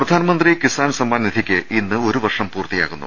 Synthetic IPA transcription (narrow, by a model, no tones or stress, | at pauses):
prɐd̪ʱaːnɐmɐnd̪rikisaːnsɐmːaːnnid̪ʰʱikʲːɨinːɨo̞ɾuʋɐrʂɐmpuːrt̪ija̰ːɣunːṵ